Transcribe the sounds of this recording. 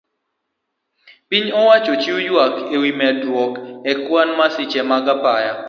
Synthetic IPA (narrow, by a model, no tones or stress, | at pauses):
piɲɔwat͡ʃot͡ʃiujwakewimɛdwɔkɛkwanmasɪt͡ʃɛmaɡapaja